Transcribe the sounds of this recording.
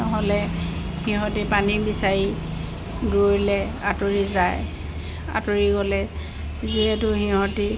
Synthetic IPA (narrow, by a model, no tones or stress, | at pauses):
ɔɦɔlɛ | xiɦɔtipanibisaɹi | doɹilɛ | atoɹizaj | a̰toɹiɡɔlɛ | ziɛtʊxiɦɔti